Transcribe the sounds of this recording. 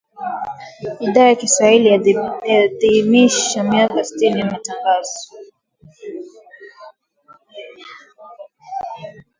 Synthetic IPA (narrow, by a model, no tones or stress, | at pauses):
iɗaajakiswahiliaðimiʃamiakasi̥tinijamataŋɡazɔ